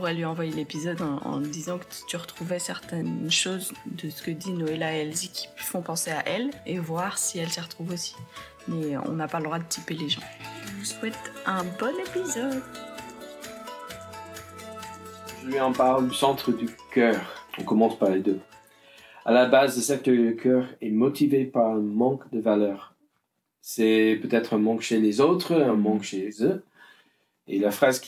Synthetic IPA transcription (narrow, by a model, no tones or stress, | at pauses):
uʁɛlɥiɑ̃vwajelepizɔd̪ɑ̃ɑ̰̃d̪izɑ̃kə̥t̪yʁət̪χuvɛsɛʁt̪ɛnʃozd̪əsə̥kəd̪inɔelaɛlzikʲʰi̥fɔ̃pɑ̃seaʔɛlevwaʁsiɛlsəʁət̪χuvosi̥ | mɛɔ̰̃napaləd̪ʁwad̪ət̪ʰipeleʒɑ̃ʒəəswɛt̪ɛ̃bɔnepizɔd̪ | ʒəlɥiɑ̃paʁld̪ysɑ̃t̪χəd̪ykœːʁɔ̰̃kɔmɑ̃spaʁled̪ø | a̰labazləsɛk̚t̪ədəkʰœːʁɛmɔt̪ʰivepaʁɛ̃mɑ̃kd̪əvalœːʁ | sɛpøt̪ɛt̪χə̃mɑ̃kʃelezot̪χəə̃mɑ̃kʃezø | ḛlafχazk